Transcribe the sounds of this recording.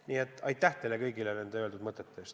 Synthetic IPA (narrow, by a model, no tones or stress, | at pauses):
niːet̪ːɑjt̪ːæht̪elekɤjɡilenend̪̥eøld̪ud̪mɤt̪ːˑet̪ːˑest̪